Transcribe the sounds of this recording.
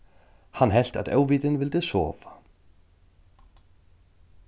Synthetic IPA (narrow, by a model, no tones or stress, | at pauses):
hanɦɛl̥t̪a̰ðɛ̰ːwviːt̪ɪnvɪlt̪ɪsɔ̰ːvḁ